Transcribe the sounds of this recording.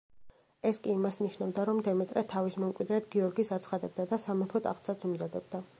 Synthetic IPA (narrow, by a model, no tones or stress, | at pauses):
ɛskʼiːmasniʃnavd̪aɾɔmd̪ɛmɛt̪ʼɾɛt̪ʰavismɔmkʼwid̪ɾɛt̪ɡiɔɾɡisat̪sʰχad̪ɛb̚d̪ad̪asamɛpʰɔt̪ʼa̰χt̪sʰat̪sʰumzad̪ɛbd̪a